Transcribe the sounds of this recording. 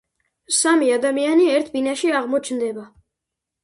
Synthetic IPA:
samiad̪amianiɛɾt̪ʰbinaʃiaʁmɔt͡ʃʰnd̪ɛba

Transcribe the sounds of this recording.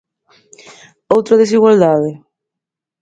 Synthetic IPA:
owt̪ɾaðes̬iɣwald̪aðɪ

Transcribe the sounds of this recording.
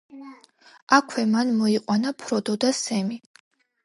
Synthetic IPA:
akʰwɛmanmɔiqʼwanapʰɾɔd̪ɔd̪asɛmi

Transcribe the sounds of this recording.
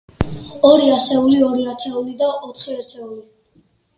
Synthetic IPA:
ɔɾiasɛuliɔɾiat̪ʰɛulid̪aʔɔt̪ʰχiɛɾt̪ʰɛuli

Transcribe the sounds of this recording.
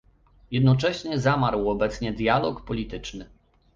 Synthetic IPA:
jɛd̪nɔt͡ʂɛɕɲɛzamaɾwɔbɛt̪sɲɛd̪ʲjalɔkpɔlʲit̪ɘt͡ʂnɘ

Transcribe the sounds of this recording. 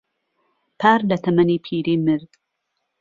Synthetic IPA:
pʰaːɾlɐt̪ʰɐmɐniːpʰiːɾiːmɨɾd̪

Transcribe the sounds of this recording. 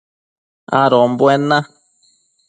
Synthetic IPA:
a̰ɾombwenã

